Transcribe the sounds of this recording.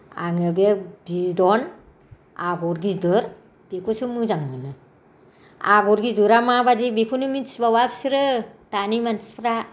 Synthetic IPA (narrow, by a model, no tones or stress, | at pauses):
a̰ŋɯbebidɔn | aɡɔɾɡidɯɾ | b̥ekʰusɯmɯzaŋnɯlɯ | aɡɔɾɡidɯɾamabadibikʰunɯmitsbawapsiɾɯtanimanspʰɾa